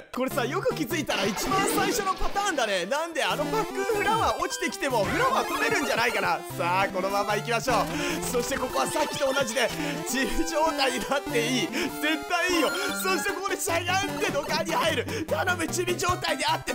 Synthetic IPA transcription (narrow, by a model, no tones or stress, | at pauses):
ko̞ɾe̞sajo̞kɯ̟kʲizɨit̪aɾait͡ɕibãɰ̃saiɕo̞no̞pat̪aːnd̪ane̞nãnd̪e̞ano̞bakːɯ̟ɸɯ̟ɾãaot͡ɕi̥t̪e̞kʲi̥t̪e̞mo̞ɸɯ̟ɾãat̪ome̞ɾɯ̟̃ɲ̟d͡ʑanaikanasaːko̞no̞mamːaikʲimaɕo̞ːso̞ɕi̥t̪e̞ko̞ko̞βasakʲːi̥t̪o̞ːnad͡ʑid̪e̞t͡ɕiɾʲid͡ʑo̞ːt̪aid̪at̪ːe̞iːze̞t̪ːaiiːjo̞so̞ɕi̥t̪e̞ko̞kod̪e̞ɕaɡaɯ̟t̪e̞d̪o̞kaɾʲihaeɾɯ̟k̪anomɯ̟t͡ɕibʲiʑo̞ːt̪aid̪e̞at̪ːe